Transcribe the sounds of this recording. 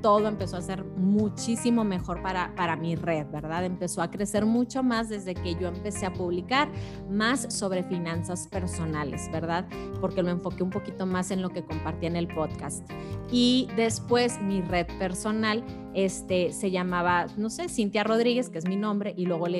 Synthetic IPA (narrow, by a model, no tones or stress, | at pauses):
t̪o̞ð̞o̞e̞mpe̞so̞ase̞ɾmut͡ʃisimo̞me̞xo̞ɾpaɾapaɾamire̞ðbe̞ɾðaðe̞mpe̞so̞akɾe̞se̞ɾmut͡ʃo̞mazðe̞zðe̞ke̞ʝo̞e̞mpe̞se̞apuβlikaɾ | masːo̞βɾe̞finansaspe̞ɾso̞nale̞̰zbe̞ɾðað | po̞ɾke̞lo̞e̞ɱfo̞keumpo̞kit̪o̞mase̞nlo̞ke̞ko̞mpaɾt̪iaene̞lpo̞ðkast̪ | iðe̞spwe̞zmire̞ðpe̞ɾso̞nal | e̞st̪e̞se̞ʝamaβano̞se̞sint̪jaro̞ð̞ɾiɣe̞skeezminõ̞mbɾeʔilwe̞ɣo̞le